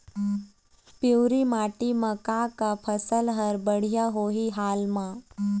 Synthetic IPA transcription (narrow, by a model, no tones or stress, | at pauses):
piɾimaːʈimɐkakapʰəsəlɦəɾbəɽ̤ijaɦoːɦiɦaːlmã